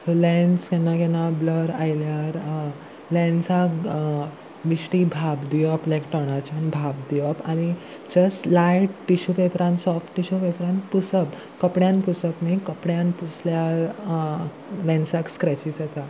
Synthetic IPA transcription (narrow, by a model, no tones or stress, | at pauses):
t̪olɛ̃nskɛnːakɛnabləɾa̰jiljaɾ | lɛ̃nsak | ʋisʈibʱabd̪iɔplɛkʈɔɽ̃at͡ɕanbʱab̚d̪ijɔpañi | d͡ʑəsʈlajʈːiɕupepɾãnsɔfʈːiɕupepɾãnpusəb | kəpɽjãnpusəpnikəpɽjanpusljaɾ | lɛ̃nsakskɾɛt͡ɕisat̪a